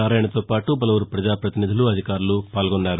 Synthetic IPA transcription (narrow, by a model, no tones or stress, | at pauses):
aːɾaːjɐɳɐt̪o̞ːpaːʈubɐlɐʋuɾupɾɐd͡ʒaːpɾɐt̪inid̪ʱuluɐd̪ʱikaːɾulupaːlɡɔnːaːɾu